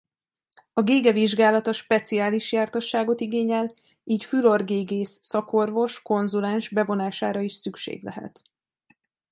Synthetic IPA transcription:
ɒɡeːɡɛviʒɡaːlɒt̪ɒʃpɛt̪siaːliʃjaːrt̪o̞ʃːaːɡo̞t̪iɡeːɲɛl | iːcfylo̞rɡeːɡeːsːɒko̞rvo̞ʃko̞nzulɛnʒbɛvo̞naːʃaːɾɒiʃsykʃḛːɡlɛ̰ɦɛ̰t̪

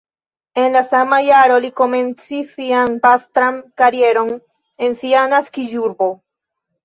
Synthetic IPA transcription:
e̞nlasamajaɾo̞liko̞mẽ̞nt͡sisianpast̪ɾaŋkaɾie̞ɾo̞n | e̞nsianaskid͡ʒuɾbo̞

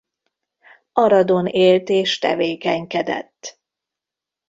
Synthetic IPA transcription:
ɒɾɒd̪o̞neːlt̪eːʃt̪ɛ̰veːkɛɲkɛd̪ɛ̰t̪ː

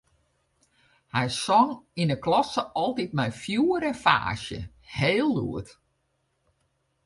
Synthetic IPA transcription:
hɛjsɔŋinəklɔsəʔɔlˠtit̚mɛjfjuəɾəfa̰ːʃjə̰ | heːlˠːṵət

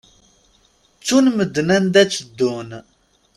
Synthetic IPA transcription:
t͡sːunməd̪ːnænd̪æt͡sːəd̪ːun

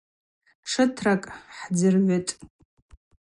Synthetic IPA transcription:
ʂɨtʰrakʼħd͡zɨrʕʷetʼ

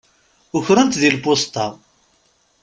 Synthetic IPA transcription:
ʊçɾænt̪ðilpost̪ɑ

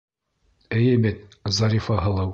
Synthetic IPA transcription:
ɘjɘmɘt̪̚zɑɾʲifɑɦɤ̆lˠɤw

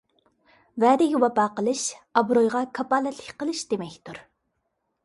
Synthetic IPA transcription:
vɛːd̪ɪɡʲiwɑpɑːqəlˠɨʃɑbɾojʁɑkʰɑpɑlɛt̪ʰlɪkʲqəlˠɨʃd̪̥emɛkʲt̪ʰuɾ

